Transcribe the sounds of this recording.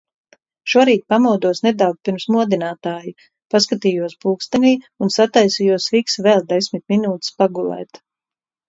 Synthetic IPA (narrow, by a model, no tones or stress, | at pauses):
ʃuɔɾiːt̪̚pamawd̪uɔsned̪awɡ̚piɾmsmuɔd̪inaːt̪aːju | paskat̪iːjuɔspuːkst̪ɛniː | unsat̪ajsijuɔsviksvɛlˠd̪esʲmit̪̚minuːt̪i̥spaɡulˠɛ̰ːt̪